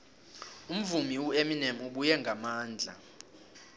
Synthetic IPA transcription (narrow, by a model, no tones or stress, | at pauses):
um̩vumiwueminɛmuɓujɛŋɡʱamaːnd͡ɮʱa̰